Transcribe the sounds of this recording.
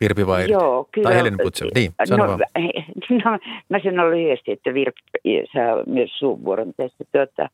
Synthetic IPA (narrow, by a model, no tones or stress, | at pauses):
ʋirpiʋɑijoːkylelinemusḛlniːno | nomæsenːolːyhyest̪iet̪ːæʋirpsɑ̰ːmyøssuːʋːuoremt̪æst̪ːæt̪ot̪ːɑ̰